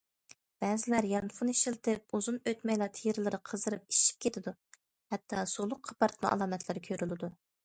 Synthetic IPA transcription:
b̥ɛːzɪlæɾjɑmfuniʃilt̪ʰɪp̚uzunøt̪mɛjlˠɑt̪ʰejɾɪlˠɨɾɨqʰəzɨɾɨp̚iʃi̥p̚kʲʰet̪ʰɪd̪u | hɛt̪ʰːɑsolˠʊq̚qʰɑ̥pɑɾt̪mɑ̰ʔɑ̰lˠɑːmɛt̪ʰlɨɾkʲʰøɾylɪd̪u

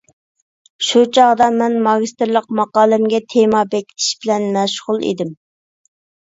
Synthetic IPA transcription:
ʃut͡ʃʰɑʁd̪ɑmɛnmɑɡʲist̪ɪɾlˠəq̚mɑqɑːlˠɨmɡʲɛt̪ʰemɑbɛkʲʰi̥t̪ʰi̥ʃbɪlɛnmɛʃʁʊlˠḛd̪ɪm

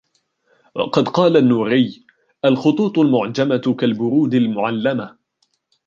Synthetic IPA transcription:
wɑ̰qɑd̪qɑːlanːuːɾɪj | ʔalxʊt̪ˤuːt̪ˤʊlmʊʕd͡ʒamakalbʊɾuːd̪almʊʕalːama

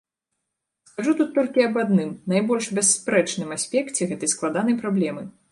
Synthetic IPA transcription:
skaʐut̪ut̪ːɔlʲkʲiɐbad̪nɨmnajbɔlʲʂbʲɛsːpɾɛt͡ʂnɨmasʲpʲɛkt͡sʲɛɣɛt̪ɐjsklˠad̪anɐjpɾablʲɛmɨ

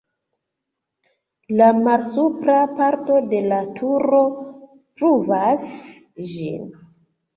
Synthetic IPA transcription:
lamalsupɾapaɾto̞de̞latʰuɾo̞ | pɾuvas | d͡ʒḭn

